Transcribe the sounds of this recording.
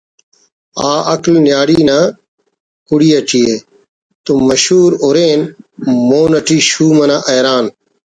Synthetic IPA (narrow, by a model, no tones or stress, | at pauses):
aːʔɐklnjaːɽiːnaː | kuɽiːəʈiːeː | t̪uməʃuːɾoːɾeːnmoːnɐʈʰiːʃuːmɐnaːʔeːɾaːn